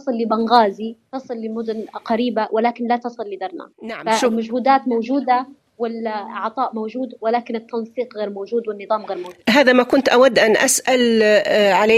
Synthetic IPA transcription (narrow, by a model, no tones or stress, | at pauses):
ɑsˤɨlːɪbanɣaːzit̪ɑsˤɨlːɪmʊd̪ʊnqaɾiːbawʔɪlaːkɪnlat̪ɑsˤɨlːɪd̪ɑɾˤna̰ːnaʕafalmaʒhuːd̪aːt̪mowʒuːd̪a | wɪlʕt̪ˤɑːʔmowʒuːd̪wɪlaːkɪnɪt̪ːɑnsˤiːqɣeːɾmowʒuːd̪wɪnːɨðˤɑːmɣeːɾmowuːdɦaːðamakʊnt̪ʔawad̪ːʔanʔasʔal | ʕalaː